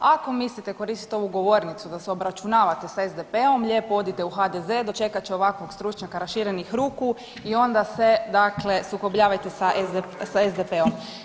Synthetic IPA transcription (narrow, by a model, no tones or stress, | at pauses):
ako̞mislit̪eko̞ɾist̪it̪eo̞ʋuɡo̞ʋo̞ːɾnit̪sud̪aseo̞bɾat͡ʃunaːʋat̪e̞saezd̪epeo̞mʎeːpoo̞d̪it̪e̞uxad̪eze̞ːd̪o̞t͡ʃe̞kat͡ʃeo̞ʋakʋo̞ɡst̪ɾut͡ʃɲakaɾaʃiɾenixɾuːku | io̞nd̪ase̞d̪akle̞suko̞bʎaːʋajt̪e̞saʔesaezd̪epeom